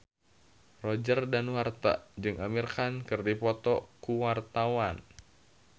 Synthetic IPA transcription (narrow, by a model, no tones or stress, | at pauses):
rɔd͡ʒərdanwart̪a̰d͡ʒɨŋamirkankɨrdipɔt̪ɔkuwart̪awan